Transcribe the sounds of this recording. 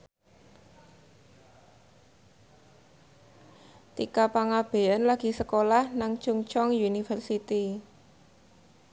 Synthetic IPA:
t̪ikapaŋab̥e̤ənlaɡ̥i̤səkolahnaŋt͡ʃuŋt͡ʃɔŋjunifərsit̪i

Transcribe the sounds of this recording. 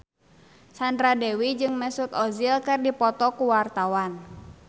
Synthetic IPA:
sandɾadɛwid͡ʒɨŋmɛsut̪ɔzilkɨrdipɔt̪ɔkuwart̪awan

